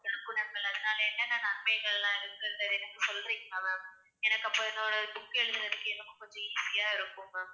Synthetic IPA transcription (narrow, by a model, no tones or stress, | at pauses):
ɛɾɯkːɯnɐŋɡɐɭɐðɐnaːlɐɛnːɐnãnɐnmɐɪɣɐɭlãːɪɾɯkːɾɯd̪ɐðɛnɐkːɯsɔlːɐɪkːɯmɐmɐ | ɛnɐkːɐpːoːɛnːoːɽɐt̪ʊkːɯɛɻɯðɾɐðɯkːɯɛnːɐkːɐkʊɲd͡ʒɔ̃iːsɪjaːɪɾɯkːɯŋɐ